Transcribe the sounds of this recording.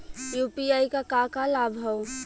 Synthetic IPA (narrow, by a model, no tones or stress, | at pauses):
jupiajkakakalabʱɦəw